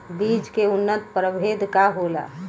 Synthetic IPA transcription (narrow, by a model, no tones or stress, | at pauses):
biːd͡ʒkeʊnːət̪pɾəbʱeːd̪ʱkaɦola̰